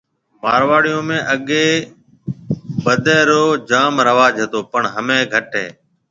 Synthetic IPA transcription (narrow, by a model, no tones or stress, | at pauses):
maːɾʋaːɽijõːmẽːʔəɠeː | ɓəd̪ʱeːɾoːd͡ʒaːmɾəʋaːd͡ʒɦet̪oːpəɳɦəmẽːɡʱəʈɦḛː